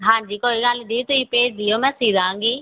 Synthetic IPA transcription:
ɦãːɲd͡ʒiːkoːiɡalid̪iːit̪ʊiːpeːʈd̪ɪːoːmɛ̃ːsiːd̪ãːŋɡiː

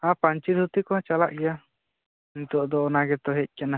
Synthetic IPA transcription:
ãpaɲt͡ʃiɾhut̪ikɔt͡ʃala̰ʔɡɛja | int̪uʔd̪ɔːnaɡɛt̪ɔɦɛc̪̚ˀkɛna

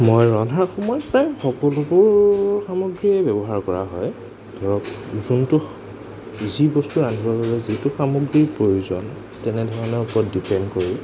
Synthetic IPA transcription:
mojɹɔnʱaɹxɔmɔjɔpɹajxɔkɔlubʊɹxamoɡɹiɛbɛbɔɦaɹkɔɹa̰ɦɔj | d̥ʱɔɹɔpzuntu | zibɔstuanibapabɛzitʊxamoɡɹipɹojuzɔ̰n | tɛnɛdʱɔɹanɛɔpɔɔtdipɛndkoɹĩ

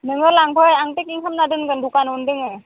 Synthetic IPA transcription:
nɯŋɯlaŋpʰɯjaŋtek̚iŋkʰamnadɯnɡɯndukanundɯŋe

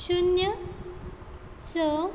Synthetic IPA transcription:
ɕunjə | sə

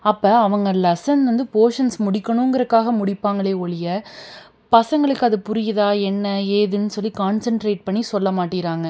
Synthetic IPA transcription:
ɐpːɐɐʋɐŋɡɐlɐsɐnʋɐnd̪ɯpoːʂɐnsmʊɽɪkːɐɳʊŋɡɐɾɐkːaːɣɐmʊɽɪpːaːŋɡɐɭeːɔɭɪjɐ | pɐsɐŋɡɐɭɯkːɯɐðɯpʊɾɪjɐðaːɛnːɐeːðɯnːɯsɔlːikaːnsɐɳʈɾeːʈ̚pɐɳːisɔlːɐmaːʈːɪɾaːŋɡɐ

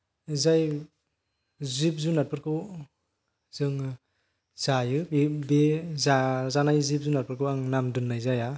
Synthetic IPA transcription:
zaj | zipzunat̚pʰɯɾkʰɯ | zɯŋ | z̥ajɯbibezazanajzip̚zunat̚pɯɾkɯaŋnamdɯnːajzaja

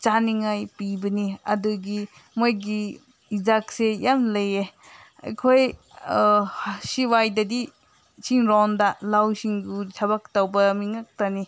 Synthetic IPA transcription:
t͡ʃaniŋajpibɐniɐduɡi | mojɡi | izak̚sejamlɐje | ɐ̰jkʰoj | siwajdɐdi | siŋɾɔndalawsiŋɡutʰaβak̚tawbɐmiŋak̚tani

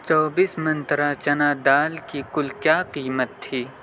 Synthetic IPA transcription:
t͡ʃɔːbiːsmɐ̃nt̪ɾat͡ʃɐnaːd̪aːlkikʊlkjaːqiːmət̪ʰːiː

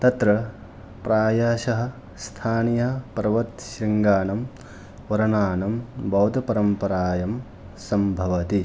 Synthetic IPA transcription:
t̪ɐt̪ɾɐ | pɾaːjaːʃɐɦɐ̆ | st̪ʰaːnijɐɦɐpɐɾʋɐt̪ʃɾiŋɡaːnɐm | ʋɐɾɐnaːnɐmbɐwd̪ɐpɐɾɐmpɐɾaːjɐm | sɐmbʱɐʋɐt̪i

